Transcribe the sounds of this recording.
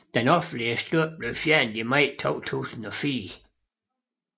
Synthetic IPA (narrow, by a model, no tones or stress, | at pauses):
d̥enɒfn̩liəsd̥uɐ̰b̥le̝ʊfjæɐnðimɑɪ̰t͡sʰɔ̰ʊt͡sʰṵːsn̩ɒfiːɐ